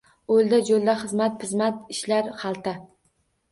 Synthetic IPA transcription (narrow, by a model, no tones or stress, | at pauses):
olˠd̪ad͡ʒolˠd̪aχɨzmat̪̚pʰɨzmat̪̚ɪʃlaɾχɑlˠt̪ʰa